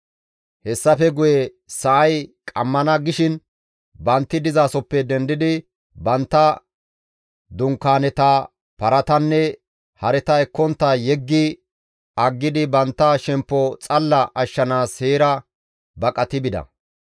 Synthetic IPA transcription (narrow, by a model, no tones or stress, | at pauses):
hɛsːɐfɛɡʊjɛ | sɐʔɐjkʼɐmːɐnɐɡɪʃɪn | bɐnt̪ːɪd̪ɪzaːsɔpːɛd̪ɛnd̪ɪd̪ɪ | bɐnt̪ːɐ | d̪ʊŋkːaːnɛt̪ɐ | pɐɾɐt̪ɐnːɛ | hɐɾɛt̪ɐɛkːɔnt̪ːɐjɛɡːɪ | ɐɡːɪd̪ɪbɐnt̪ːɐʃɛmpːɔt͡sʼɐlːɐʔɐʃːɐnaːsheːɾɐ | bɐkʼɐt̪ɪbɪd̪ɐ̰